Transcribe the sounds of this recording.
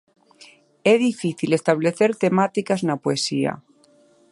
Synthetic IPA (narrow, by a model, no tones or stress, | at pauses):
eðifiθile̞st̪aβ̞le̞θe̞ɾt̪e̞mat̪ikaznapoesia̰